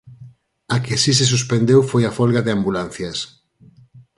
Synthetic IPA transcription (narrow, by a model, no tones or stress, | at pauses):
akesis̬es̬uspend̪ewfojafɔlɣaðɪambulan̟θjɐs